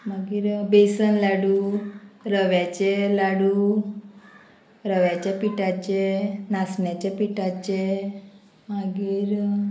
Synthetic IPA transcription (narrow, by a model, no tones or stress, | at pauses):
maɡiɾbesənlaɽu | ɾəʋat͡ʃelaɽu | ɾəʋjat͡ʃepiʈat͡ʃenasnjat͡ʃepiʈat͡ʃe | maɡiɾ